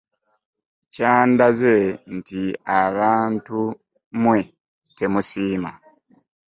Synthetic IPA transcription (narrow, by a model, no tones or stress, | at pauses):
caːndaze̞ntiaβaːntu | mwe | te̞musiːma